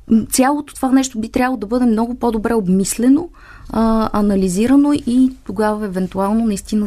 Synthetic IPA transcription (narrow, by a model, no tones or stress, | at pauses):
t̪sʲalˠot̪o̥t̪ovanɛʃt̪obit̪ɾʲabəlˠod̪ɐbɤd̪ɛmnɔɡʊpɔd̪obɾɛobmislɛno | ɐnɐliziɾənoit̪oɡavəɛvɛnt̪ualˠnonɐist̪inə